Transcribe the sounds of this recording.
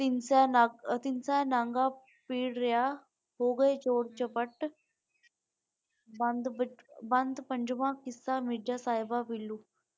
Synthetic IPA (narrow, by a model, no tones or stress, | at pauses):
t̪ɪnsɛːt̪ɪnsɛːnãːŋɡaː | piːɽɾɪjaː | ɦoːɡəet͡ʃoːɽt͡ʃəpəʈ | bənd̪bənd̪pəɲd͡ʒʋãːkɪsːaːmɪɖaːsaːɦɪbapilːuː